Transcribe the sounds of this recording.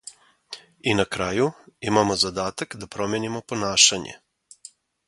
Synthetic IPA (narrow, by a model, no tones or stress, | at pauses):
inakɾaːjuimamozad̪aːt̪akd̪apɾomjenimoponaːʃaɲḛ